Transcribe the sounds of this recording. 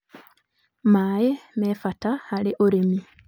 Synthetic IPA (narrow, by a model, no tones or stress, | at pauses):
maːjemefatahalɪʔoɾemi